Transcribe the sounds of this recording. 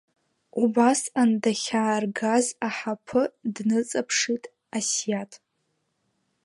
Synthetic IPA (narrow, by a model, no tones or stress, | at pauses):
ubasandaχʲaːrɡazaħapʰɨdnɨt͡sʼapʰʂitʼ | asjatʼ